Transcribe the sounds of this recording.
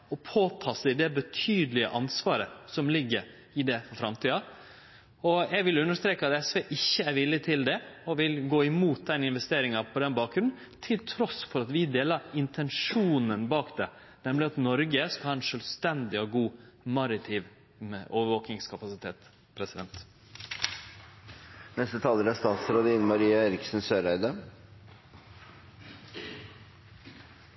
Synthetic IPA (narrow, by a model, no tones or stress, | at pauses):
ɔpʰoːt̪ʰɑːsɪd̪ɛbət̪ʰyːd̪əlɪə̰ʔɑnsʋɑːɾəsɔmlɪɡːəɾ | ɪd̪ɛfɔɾfɾɑmt̪ʰiːɑ | ɔjɛɡʋɪlʉnːəʂt̪ɾeːkəɑt̪ɛsʋeːʔɪçːəæɾʋɪlːɪt̪ʰɪld̪ɛɔʋɪlɡoːɪmuːt̪̚d̪ɛnɪnʋɛst̪eːɾɪŋɑpʰɔd̪ɛnbɑːkɾʉnn̩ | t̪ʰɪlt̪ʰɾɔsfɔɾɑt̪ʋɪd̪eːlɑɾɪnt̪ʰɛnʂuːnənbɑːkd̪ɛ | nɛmlɪɑt̪nɔɾɡəskɑhɑːɛnʂœlst̪ɛnd̪ɪɔɡuːmɑɾɪt̪ʰɪʋ | oːʋəɾʋoːk̪ɪŋskʰɑpɑsɪt̪ʰeːt̪ | pʰɾɛsɪd̪ɛnt̪ | nɛst̪ət̪ʰɑlːəɾæst̪ɑːt̪sɾod̪əɪnmɑɾiːɑeːɾɪksnsøːɾæɪd̪ə